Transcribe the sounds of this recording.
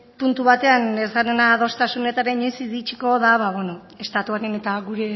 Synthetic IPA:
punt̪uβat̪e̞anesanenaðo̞st̪asune̞t̪aɾeɲojsiðit͡ʃiko̞ð̞aβaβe̞no̞ | e̞st̪at̪uaɾene̞t̪aɣuɾe̞

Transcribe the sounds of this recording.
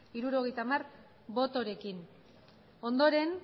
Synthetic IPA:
iɾuɾo̞ɣe̞jt̪amar | bo̞t̪o̞ɾe̞kin | o̞nd̪o̞ɾe̞n

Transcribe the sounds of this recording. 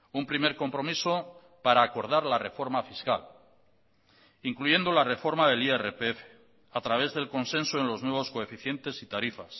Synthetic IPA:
umpɾime̞ɾko̞mpɾo̞miso | paɾaːko̞ɾð̞aɾlare̞fo̞ɾmafiskal | iŋkluʝe̞nd̪o̞lare̞fo̞ɾmaðe̞lierepeefe̥ | at̪ɾaβ̞e̞zðe̞lko̞nsẽ̞nsoenlo̞znwe̞βo̞skoe̞fiθje̞nt̪e̞sit̪aɾifas

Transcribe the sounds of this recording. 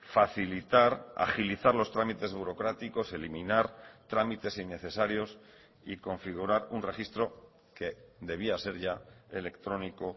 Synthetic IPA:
faθilit̪aɾa̰χiliθaɾlo̞st̪ɾamit̪e̞zβuɾo̞kɾat̪iko̞se̞limĩnaɾt̪ɾamit̪e̞sinːe̞θe̞saɾjo̞s | iko̞ɱfiɣ̞uɾaɾunre̞xist̪ɾo̞ | ke̞d̪e̞β̞iase̞ɾʝae̞le̞kt̪ɾo̞niko̞

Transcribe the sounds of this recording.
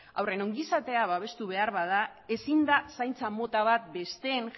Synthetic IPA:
a̰wre̞noŋɡisat̪e̞aβaβ̞e̞st̪uβ̞e̞aɾβaðae̞sind̪asajnt͡samo̞t̪aβ̞at̪̚be̞st̪e̞n

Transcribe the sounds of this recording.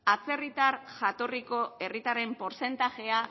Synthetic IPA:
at͡se̞rit̪arʝat̪o̞riko̞e̞rit̪aɾe̞mpo̞ɾse̞nt̪aʝe̞a

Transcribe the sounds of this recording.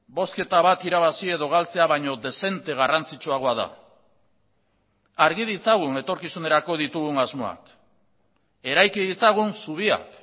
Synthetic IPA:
bo̞ske̞t̪aβat̪iɾaβasie̞ðo̞ɣalt͡se̞aβ̞aɲo̞ðe̞se̞nt̪e̞ɣ̞arant͡sit͡ʃuaɣ̞o̞aða̰ | aɾɣið̞it͡saɣ̞une̞t̪o̞ɾkisune̞ɾako̞ðit̪uɣ̞uŋazmo̞a̰k | e̞ɾajkiðit͡saɣ̞unsuβ̞ia̰k

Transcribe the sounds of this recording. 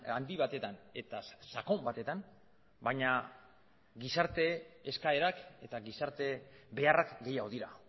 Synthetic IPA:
and̪iβat̪e̞t̪ane̞t̪asako̞mbat̪e̞t̪an | bajɲa | ɡisaɾt̪e̞ːskae̞ɾake̞t̪aɡisaɾt̪e̞βe̞arakɡe̞jaɣoðiɾa

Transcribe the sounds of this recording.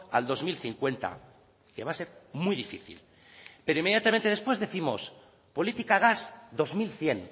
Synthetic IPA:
a̰ld̪o̞zmilθiŋkwe̞nt̪a̰ | ke̞βase̞ɾmuijðifiθḭl | pe̞ɾoime̞ðjat̪amẽnt̪ee̞spwe̞zðeθimo̞s | po̞lit̪ikaɣ̞asd̪o̞zmilθje̞n

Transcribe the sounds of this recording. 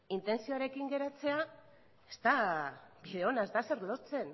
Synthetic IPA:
int̪e̞nsioaɾe̞kiŋɡe̞ɾat͡se̞a | est̪abiðe̞o̞nazd̪ase̞ɾlo̞ɾt͡se̞n

